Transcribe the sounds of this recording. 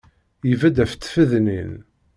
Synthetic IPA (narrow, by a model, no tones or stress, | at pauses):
jivæd̪æft̪ːfəðnin